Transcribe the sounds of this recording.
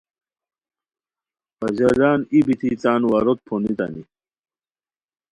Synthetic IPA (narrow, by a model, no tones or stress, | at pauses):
pɐd͡ʑɐlaːnibit̪ʰit͡saːnwaɾot̪̚pʰonit̪ɐ̰ni